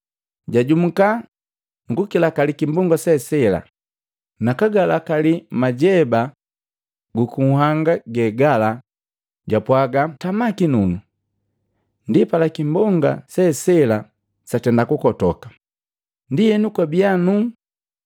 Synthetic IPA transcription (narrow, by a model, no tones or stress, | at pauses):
ɟaɟum̩ka | ŋɡukilakalikimbɔŋɡasɛsɛla̰ | nakaɡalakalimaɟɛba | ɡukuhaŋɡaɡɛɡala | ɟapwaɡatamakinunu | ndipalakimbɔŋɡa̰sɛsɛla | satɛndakukɔtɔkḁ | ndijɛnukwabianu